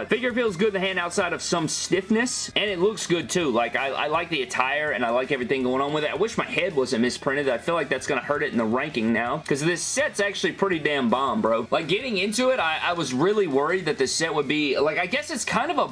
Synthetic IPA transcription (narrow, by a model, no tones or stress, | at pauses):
aɪfɪɡjə˞filˠzɡʊd̪̚ðɨɦæ̃ndaʊtsaɪɾʌv̥sʌ̃mstɪfnɨsɨ̃nɨtˡlʊksɡ̥ʊd̚tʰʉlaɪkaɪa̰ɪlaɪk̚ðiɨtʰaɪə˞ɨ̃naɪlaɪkɛvɹiθɪ̃ŋɡoʊɪ̃ŋə̃nwɨðɨa̰ɪwɪʃmaɪhɛd̚wʌzɨ̃n̩mɨspʰɹ̥ɪ̃ɾ̃ɨdaɪfilaɪk̚ðætsɡ̥ʌñəhɜ˞ɾɨɾn̩ðəɹæ̃ŋkɪ̃ŋnaʊkʰʌzðɪsɛtsæk̚t͡ʃʉl̩ˠipʰɹ̥ɪɾidæ̃mbɑ̃mbɹoʊlʔaɪk̚ɡ̥ɛɾɪ̃ŋɪ̃ntʉɪɾaɪʔaɪwʌzɹɪlˠiwɜ˞id̪̚ðɨt̪̚ðɨsɛt̚wəd̚bilaɪkaɪɡɛsɨtskʰãɪ̃ndʌvə